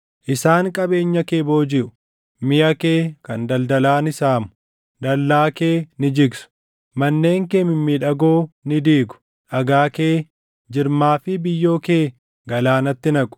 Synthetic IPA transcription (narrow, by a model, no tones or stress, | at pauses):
ʔɪsaːŋkʼɐbe̞ːɲːɐke̞ːbo̞ːd͡ʒɪʔʊ̥ | mɪjʔɐke̞ːkɐnd̪ɐld̪ɐlaːnɪsaːmʊ | d̪ɐlːaːkeːnɪd͡ʒɪɡsʊ̥ | mɐnːe̞ːŋkeːmɪmːiᶑɐɡoːnɪd̪iːɡʊ̥ | ʔɐɡaːke̞ː | d͡ʒɪɾmaːfɪbɪjːo̞ːkeː | ɡɐlaːnɐt̪ːɪnɐkʼʊ̥